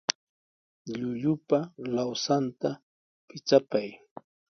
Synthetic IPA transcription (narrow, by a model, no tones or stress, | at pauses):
ʎʊʎʊpalawsant̪a | pɪt͡sapaj